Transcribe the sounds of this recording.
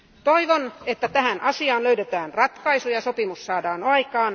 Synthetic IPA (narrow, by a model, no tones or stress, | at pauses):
t̪oiʋonet̪ːæt̪æhænʔɑsiɑːnløydet̪æːnrɑt̪kɑisujɑsopimussɑːdɑːnɑikɑːn